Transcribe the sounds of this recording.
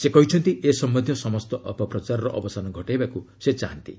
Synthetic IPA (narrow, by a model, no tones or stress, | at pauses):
sekɔɦit͡ʃʰɔnt̪iʔesɔmbɔnd̪ʱjɔsɔmɔst̪ɔʔɔpɔpɾɔt͡ʃaɾɔɾɔʔɔbɔsanɔɡʱɔʈajbakuset͡ʃaɦant̪ḭ